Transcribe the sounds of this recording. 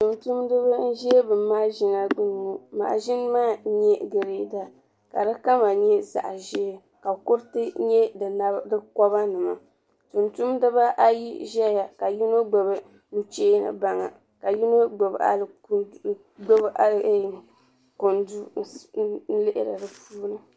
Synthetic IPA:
tu˨mtu˦mdɨ˦βa˦n̩˦ʒɛ˦bɨ˨mːaː˦ʒi˦na˨ɡ͡bu˦n˨mu˦ma̰˨ʒɪ˦n˦maː˦ɲɛ˦ɡɨ˨ɾe˨da˨ | ka̰˨dɨ˦ka˦ma˨ɲɛ˦za̰˨ʔʒɛ˦ | ka˨kʊ˦ɾtɨ˦ɲɛ˦dna˦dɨ˦kɔ˦ba˦nɨ˨ma̰˨ | tu˨ntu˦mdɨ˦ba˦ʔa˦ji˦ʒɛ˦ja˨ka˨ji˦no˦ɡ͡ba˨bɨ˨ | nu˨t͡ʃeː˦nɨ̰˨ba˨ŋa̰˨ | ka˨ji˦no˦ɡ͡bo˨ba̰˦l | ɡ͡bo˦bʔa˦l | ko˨ndu˦n̩˦lɪ˦ʔɪ̰˨ɾɨ̰˨dɨ˨puː˦nɨ˨

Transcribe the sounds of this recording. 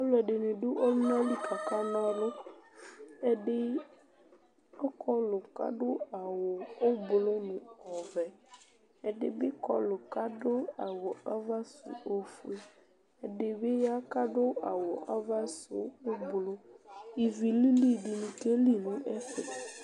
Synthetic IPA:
ɔ˦lʊ˨ɛ˨ɖɪ˨nɪ̃˨ɖʊ˦ʔɔ˦m˦nã˦li˦kʰa˨ka˦mã˦lʊ˦ | ɛ˨ɖɪ˦ | ɔ˦kʰɔ˦lʊ˨ka̰˦ɖʊ˦a˨wʊ˨ʊ˦blʊ˦nɪ̃˨ɔ˨vɛ˨ | ɛ˨dɪ˨bɪ˦kɔ˦lʊ˨ka˦dʊ˦a˨wʊ˨a˦va˦sṵ˨o˦fu˦e˦ | ɛ˨dɪ˨bɪ˦ja˦ka˦ɖʊ˦a˨wʊ˨ʔa˦va˦sʊ̰˨ʊ˦blʊ˦i˨vi˨li˦li˦˨ɖɪ˨nũ˨ke˦li˦nũ˦ʔɛ˦fɛ̰˨

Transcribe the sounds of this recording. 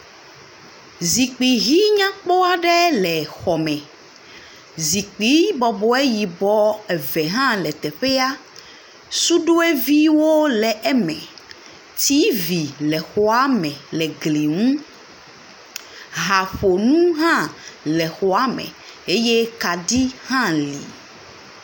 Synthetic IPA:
zi˨k͡pi˨ɦi˦ɲã˦k͡pɔ˦a˨ɖɛ˦lɛ˨xɔ˨mɛ̃˨ | zi˨k͡pi˨˦bɔ˨bɔ˦e˦ji˨bɔ˦ɛ˨vɛ˨ɦã˦lɛ˨t̪ɛ˨ɸe˦a˦ | su˦ɖo˦e˦vi˦wo˦lɛ˨ʔɛ˦mɛ̃˨ | t̪i˦vi˨lɛ˨xɔ˨˦a˦mɛ̃˨lɛ˨ɡli˨ŋũ˦ | ɦa˨ɸo˨nũ˦ɦã˦lɛ˨xɔ˨a˦mɛ̰̃˨e˦je˦ka˨ɖi˦hã˦li˨

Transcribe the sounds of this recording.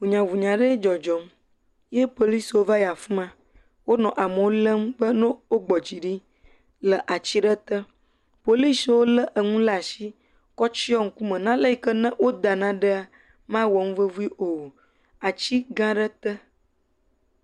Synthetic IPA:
vu˨ɲã˨vu˨ɲã˨ɖə˦d͡ʒɔ˨d͡ʒɔ˨m | je˦po˨li˦swo˦va˦ja˨fũ˦mã˦ | wo˦nɔ̃˨ʔa˨mə˨wo˦lə˦mbə˦nõ˦wo˦ɡ͡bɔ˨d͡ʑi˨ɖi˦ | lə˨ʔa˨t͡ɕi˦ɖə˦t̪ə˦ | po˨li˦swo˦lə˦ʔə˨ŋũ˦lə˦a˨si˦ | kɔ˦t͡ʃi˦ɔ˦ŋ̩˨ku˦mə̃˨nã˦lə˦i˨kə˦nə̃˦wʔo˦d̪a˨nã˦ɖə˦a˦ | mã˦wɔ˨ŋũ˦və˦vu˦i˦ʔo˨ | a˨t͡ɕi˦ɡã˦ɖə˦t̪ə˦

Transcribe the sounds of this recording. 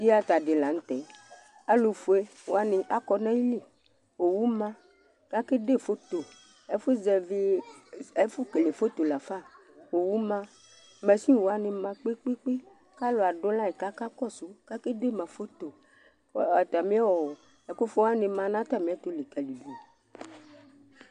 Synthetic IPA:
di˦a˦t̪a˨de˨la˨n̩˦t̪ɛ˨ | a˦lo˨fu˨e˦ | wo˨˦a˦nɪ̃˨ʔa˦kɔ˦nã˦ji˦li˦˨ | wo˨wu˦mã˦ | ka˦ke˦de˦˨fo˦t̪o˨ | e˦fo˦zɛ˨vi˦ | e˦fu˦ke˨le˨fo˦t̪o˨la˨fa˦˨ | wo˨wu˦mã˦ | mɛ̃˨sĩ˦˨wo˨a˦nẽ˨mã˨k͡pe˦k͡pe˦k͡pe˦ | ka˦lo˨a˨ɖo˦lã˦e˨ka˦ka˦kɔ˦so˨˦ka˦ke˦de˦˨mã˨fo˦t̪o˨ | a˨t̪a˨mĩ˦a˦wɔ˨ | ɛ˨ko˦fo˦a˦nẽ˨mã˨nã˦t̪a˦˨mĩ˨˦a˦t̪o˦le˨kɛ˨li˨du˨

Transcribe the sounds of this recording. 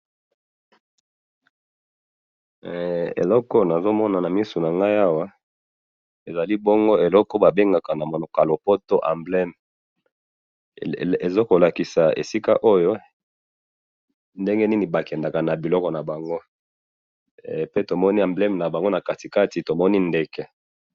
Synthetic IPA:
ḛ˨lɔ˦kɔ˦na˨zo˦mɔ˦na˨na˨mi˦su˨na˨ŋɡa˦ja˦wa˦ | e˨za˨li˦bo˦ŋɡo˦e˨lɔ˦kɔ˦ba˨be˦ŋɡa˨ka˨na˨mo˨nɔ˨ka˨lo˨po˦to˦ʔa̰˨mblɛ˦m | e˨zo˦ko˨la˨ki˨sa˨ḛ˨si˦ka̰˦ʔo˦jo˦ | nde˦ŋɡe˦ni˦ni˨ba˨kɛ˨nda˨ka˨na˨bi˨lɔ˦kɔ˨na˨ba˨ŋɡo˦ | pe˦to˨mɔ˦ni˦ã˨mblɛ˦m˨na˨ba˨ŋɡo˦na˨ka˨ti˨ka˦ti˨to˨mɔ˦ni˦nde˦kɛ˦

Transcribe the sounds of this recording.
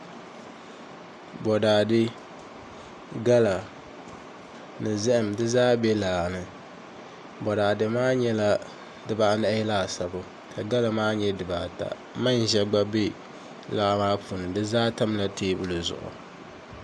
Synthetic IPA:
bɔ˨daː˨dɨ˦ | ɡa˦la˨ | nɨ˨zɨ˦ʔɨ˨mdɨ˦zaː˦bɛ˦laː˨nɨ˨ | bɔ˨daː˨dɨ˨maː˦ɲɛ˦la˦ | dɨ˨ba˦˨na˦˨˦jɛ˦laː˦˨sa˨bʊ˨ | kʰa˨ɡa˦la˨maː˦ɲɛ˦dɨ˨ba˨ta̰˨ | ma˦n˨ʒɛ˦ɡ͡ba˦be˦ | la˦ʔmaː˦pʰu˨nɨ˨dɨ˦zaː˦ta˦mla˦tʰeː˦bʊ˦lɨ˨zʊ̰˨ʔʊ̰˨

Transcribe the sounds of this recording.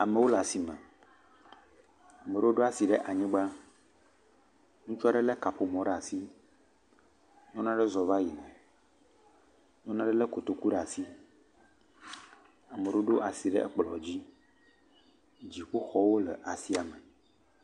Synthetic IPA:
a˨me˨wo˦la˨si˨mɛ̰̃˨ | a˨me˨ɖe˦wo˦ɖo˦a˨si˨ɖɛ˦ʔa˨ɲĩ˦ɡ͡ba˦ | ŋũ˦t͡ʃɔ˦ɖe˦le˦ka˨ɸo˨mɔ̃˨ɖɛ˦a˨si˦ | ɲɔ̃˦nã˦ɖe˦zɔ˨va˦ji˨nɛ̃˨ | ɲɔ̃˦nã˦ɖe˦le˦ko˨t̪o˨ku˦ɖɛ˦a˨si˦ | a˨mẽ˨ɖe˦o˦ɖo˦ʔa˨si˨ɖḛ˦ʔɛ̰˦k͡plɔ̰˨d͡ʑi˦ | d͡ʑi˨ɸu˦xɔ˦wo˦lḛ˨ʔa˨si˦a˨me˨

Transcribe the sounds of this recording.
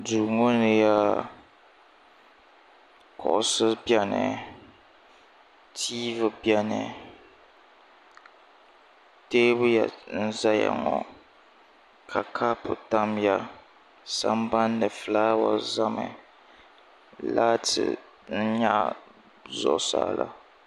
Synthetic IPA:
duː˨ŋo˦nɨ˨ja˦ | kʰɔ˨ʔsɨ˦bja˦nɨ˨ | tʰiː˦vɨ˨bja˦nɨ˨ | teː˦bʊ˦ja˨n̩˦za˦ja̰˨ŋɔ˨ | kʰa˨kʰa˦pʊ˨ta˦mja˦ | sa˦mba˦ndɨ˨flaː˦wa˨za˦mɨ˨ | la˦tʰɨ̰˨ | n̩˦ɲa˦ | zɔ̰˨ʔsa̰ː˦lʔa̰˦˨

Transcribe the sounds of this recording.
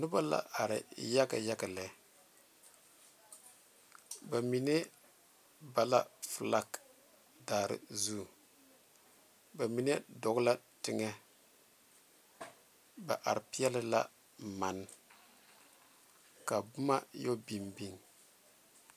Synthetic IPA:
nʊ˦ba˦la̰˨ʔa˨ɾɪ̰˨ja˦ka̰˨ja˦ka˨lɛ˨ | ba˨mi˨ne˦ | ba˨la˦fla˦k | daː˨ɾɪ̰˨zu˦˨ | ba˨mi˨ne˦dɔ˨ɡla˦tɪ˨ŋɛ˦ | ba̰˨ʔa˨ɾɪ˨pi˦jɛ˦lɪ˦la̰˦ | ma˨n˦ | ka˨bʊ˦ma˦jo˦bi˨mbi˦ŋ

